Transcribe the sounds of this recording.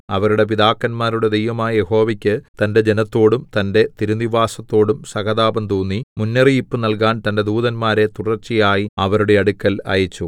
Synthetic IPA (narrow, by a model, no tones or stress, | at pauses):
ɐʋɐɾuɽe̞p̬id̪aːkːɐnmaːɾuɽe̞d̪ejʋɐmaːjɐje̞ho̞ːʋɐkʲːɨt̪ɐnde̞d͡ʑe̞nɐt̪ːo̞ːɽumt̪ɐnde̞t̪iɾuniʋaːsɐt̪ːo̞ːɽumsɐɣɐðaːbɐnd̪uːnːimunːɐriipːɨnɐlkaːnt̪ɐnde̞d̪uːðɐnmaːɾe̞t̪uɽɐrt͡ɕːijaːjiɐʋɐɾuɽe̞ɐɽukːɐlɐ̰jɐt͡ɕːu